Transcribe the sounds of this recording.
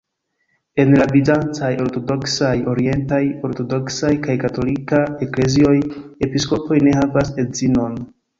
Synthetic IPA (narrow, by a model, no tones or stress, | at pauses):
e̞nlabizant͡sajo̞ɾto̞do̞ksajo̞ɾie̞ntajo̞ɾto̞do̞ksajkajkato̞likae̞kle̞zio̞je̞pisko̞po̞jne̞havase̞zino̞n